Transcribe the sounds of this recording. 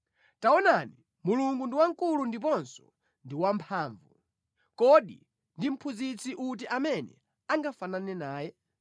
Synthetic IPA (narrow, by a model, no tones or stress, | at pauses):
taɔnani | muluŋɡundiwaŋkulundip̬ɔnsɔ̥ | ndiwampʰaːɱvu | kɔɗḭ | ndim̩pʰuzit͡sʰiʔut̬iʔamɛnɛ̰ | aŋɡafananɛnaːjɛ